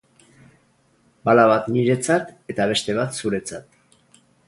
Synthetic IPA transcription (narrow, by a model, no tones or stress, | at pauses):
balaβat̪niɾe̞t͡sat̪e̞t̪aβ̞e̞st̪e̞β̞at̪suɾe̞t͡sat̪